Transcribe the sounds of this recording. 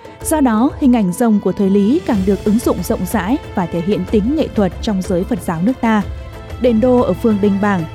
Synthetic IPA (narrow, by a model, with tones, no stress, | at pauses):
z̥ɔ˧ɗɔ˨˦hï˨˩ŋ̟ʔa˧˩jŋ̟zə˨˩wŋ͡mku˧˩ət̪ʰəː˨˩jli˨˦kaː˨˩ŋɗɨ˨˩ək̚ʔɨ˨˦ŋzʊ̰˧˨wŋ͡mzə̰˧˨wŋ͡mza̰ː˧˥jvaː˨˩t̪ʰe˧˩ɦḭ˧˨ənt̪ï˨˦ŋ̟ːḛ˧˨t̪ʰwə˨˩t̚t͡ɕɔ˧wŋ͡mzəː˨˦jfə˨˩t̚zaː˨˦wnɨ˦˥ək̚t̪aː˧ | ɗe˨˩nɗo˧ʔəː˧˩fɨ˧əŋɗï˧ŋ̟ɓaː˧˩ŋ